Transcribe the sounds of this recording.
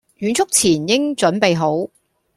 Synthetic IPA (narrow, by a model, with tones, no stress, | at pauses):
ɥyː˨˥nt͡sʰʊ˥k̚t͡sʰiː˨˩njɪ˥ŋt͡ʃɵ˨˥npe˨jɦo˨˥w